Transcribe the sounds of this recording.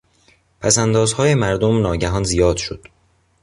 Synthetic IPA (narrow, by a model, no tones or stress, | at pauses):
pʰæsænd̪ɒːzhɒːjemæɾd̪omnɒːɟæɦɒːnzijɒːd̪̥ʃod̪̥